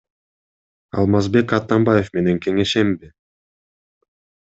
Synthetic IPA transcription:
ɑ̰lˠmɑzbe̞kɑt̪ːɑmbaje̞fme̞ne̞ŋkʰe̞ŋe̞ʃe̞mbi

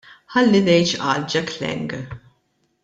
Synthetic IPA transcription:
ħɐlːid̪ɛjt͡ʃʔɐ̰ːld͡ʒɛklɛ̰ŋɡ

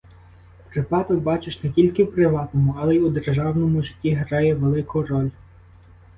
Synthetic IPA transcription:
pɾɪpɑt̪ɔbɑt͡ʃɪʃnetʲilʲkɪwpɾɪʋɑt̪ɔmʊɐlˠɛud̪erʒɑwnɔmʊʒɪtʲːiɦɾɑjɛʋelˠɪkʊɾɔlʲ

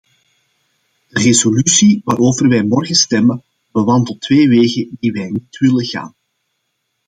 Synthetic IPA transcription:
d̥ərezolysiʋaːɾoːvərʋɛjmɔrɣəstɛmən | b̥əʋɑndəlˠtʋeːʋeːɣədiʋɛjnitʋɪləɣa̰ːn

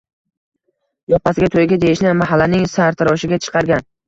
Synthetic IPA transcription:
jɒpasɪɡʲat̪ʰojɡʲad̪ejɪʃnɪmaɦalːanɪŋsaɾt̪ʰɪɾɒʃɪɡʲat͡ʃʰɨ̥qʰɑɾɡʲan

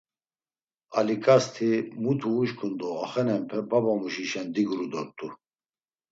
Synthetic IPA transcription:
alikʼast̪ʰimut̪ʰuːʃkʰʼund̪ɔaχɛnɛmpʰɛbabamuʃiʃɛnd̪iɡɾud̪ɔɾt̪ʼu

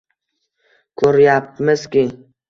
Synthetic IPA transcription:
kʰoɾjap̚məskʲi

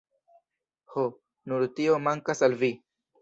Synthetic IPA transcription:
ho | nuɾt̪iomaŋkasalvi

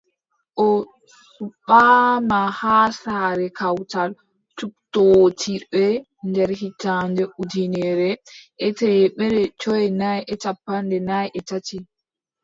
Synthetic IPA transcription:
ʔɔ | suɓːaːmahasaɾɛkawtal | t͡ʃuk̚totʰibɛ | ndɛɾhitandɛʔudinɛɾɛʔɛtɛɓɛɾɛt͡ʃɔjɛnajɛt͡ʃapːandɛnajʔɛtati

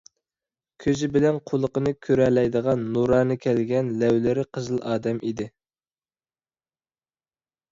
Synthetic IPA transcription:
kʲʰøzɪbɪlɛnqʰolˠəqənɨkʲʰøɾɛlɛjd̪əʁɑnːuɾɑːnɨkʲʰɛlɡʲɛnlɛwlɪɾɪqʰəzɨlˠʔɑːd̪ɛmʔid̪ɪ

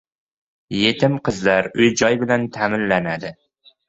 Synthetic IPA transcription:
je̞t̪ʰɪmqʰɨzlaɾʊjd͡ʒɒjbɪlant̪ʰamɪnlanad̪ɪ

